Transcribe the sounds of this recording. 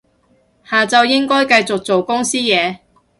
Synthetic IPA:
haː˨˩t͡sɐ˨˧wjɪ˥ŋkɔː˥jkɐ˧jt͡sʊ˨k̚t͡so˨wkʊ˥ŋsiː˥jɛː˨˧

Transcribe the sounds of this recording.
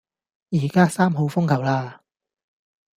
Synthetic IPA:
jiː˨˩kaː˥saː˥mɦo˨˧wfʊ˥ŋkʰɐ˨˩wlaː˧

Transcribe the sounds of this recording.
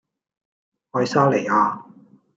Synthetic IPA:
hɔː˧jsaː˥le˨˩aː˧

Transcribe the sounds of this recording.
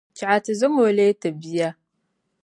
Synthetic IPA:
t͡ʃi˨a˨tɐ˨zɐ˦mo˨leː˦ta˨bi˦ja˦

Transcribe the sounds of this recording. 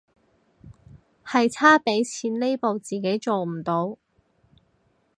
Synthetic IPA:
hɐ˨jt͡sʰaː˥pe˨˥jt͡sʰiː˨˥nle˥jpo˨wt͡siː˨ke˨˥jt͡so˨wm̩˨˩t̪o˨˧w

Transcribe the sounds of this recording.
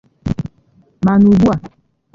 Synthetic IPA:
ma˨nu˨bu˦a˨

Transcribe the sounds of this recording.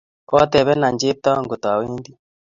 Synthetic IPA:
ɔ˦t̪ɛ˨βɛ˦na˨ɲd͡ʒe˦p̚t̪a˦ɔ˦ŋɡo˨t̪ɔ˨a˨we˦ndi˦

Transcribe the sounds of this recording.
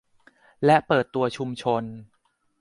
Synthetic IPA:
lɛ˦˥ʔpɤː˨˩t̪ːu˧ɐt͡ɕʰu˧mt͡ɕʰo˧n

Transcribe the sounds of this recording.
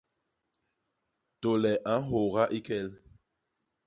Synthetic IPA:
to˨lɛ˨ʔã˨˦ɦo˨ɣa˦ʔi˦kɛ˦l

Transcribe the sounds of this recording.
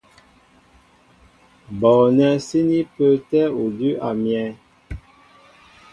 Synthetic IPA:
bɔ˨nɛ˦si˦ni˦pə˦tɛ˦u˨di˦ʔa˨mjɛ̃˨˦

